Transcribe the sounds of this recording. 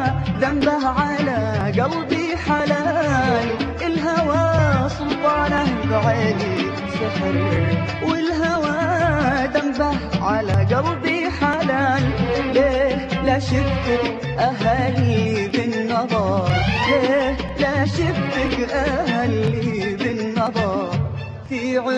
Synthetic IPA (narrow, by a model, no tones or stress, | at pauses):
d̪ambahʕalaɡɑlˤbi | ħalaːlʔɪlɦawaːsˤʊlt̪ˤɑːnahɡʕeːli | sɨħɾ | wɪlɦawaːd̪ambahʕalaɡɑlˤbiħalaːllelaʃɪft̪ɪk | ʔaɦaːlibɪnːɑðˤɑˤlelaʃɪft̪ɪkʔahalibɪnːɑðˤɑɾˤ | fiʕɪ